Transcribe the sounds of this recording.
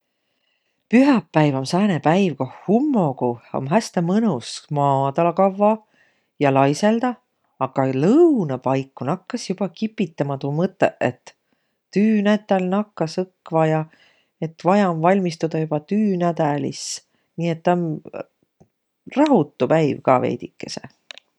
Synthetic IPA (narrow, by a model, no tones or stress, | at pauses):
pyɦɑpːæjvomsæːnepæjvko̞hhumːokuo̰mɦæst̪emɤnusmɑːd̪ɑlɑkɑvːɑ | jɑlɑjse̞ld̪̥ɑ | ɑɡ̥ɑlɤwnɑpɑjkːˑunɑkːɑsjub̥ɑkipːˑit̪ːɑmɑt̪umɤt̪ˑːḛʔet̪ː | yːnæt̪ːˑælnɑkːɑsɤkːvɑjɑ | e̞t̪ːvɑjɑmvɑlʲmist̪ud̪̥ɑjub̥ɑt̪yːnæd̪̥ælḭs | niːet̪ːɑm | rɑɦut̪ːˑupæjvkɑvḛjd̪ikːˑe̞sḛ